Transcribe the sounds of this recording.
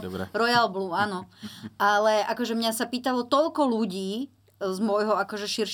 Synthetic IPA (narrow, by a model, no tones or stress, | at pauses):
d̪ɾɛ̰ɾɔjalbluːanɔʔalɛʔakɔʒɛmɲasapiːt̪alɔt̪ɔlkɔluɟiː | zmʊɔjɦɔakɔʒɛʃiɾʃ